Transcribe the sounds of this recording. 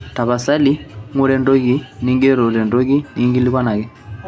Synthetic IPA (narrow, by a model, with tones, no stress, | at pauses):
ta˨βa˨sa˦li˦ŋu˦ɾɛ˨ndo˦ɡi˦ni˦ŋɡe˦ɾo˨ɾɛ˨ndo˦ɡi˦ni˦ŋɡi˦li˦ka˦na˨ɡɛ˦